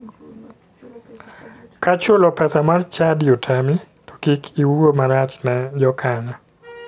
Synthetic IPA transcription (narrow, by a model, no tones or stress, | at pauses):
kat͡ʃʊlɔpɛsamart͡ʃadiotʰami | tɔ̥kikʰiwuomaɾat͡ʃnɛd͡ʒɔkʰaɲɔ